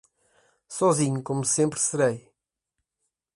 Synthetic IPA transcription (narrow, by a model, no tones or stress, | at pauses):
sɔzĩɲukomusẽmpɾsɨɾej